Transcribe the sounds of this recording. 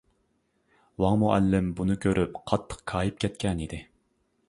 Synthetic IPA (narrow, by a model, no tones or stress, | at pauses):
wɑŋmuʔɛlːɪmbunɨkʲʰøɾʔypqʰɑt̪ʰːə̥qkʰɑːjip̚kʲʰɛt̪̚kʲʰɛnid̪ɪ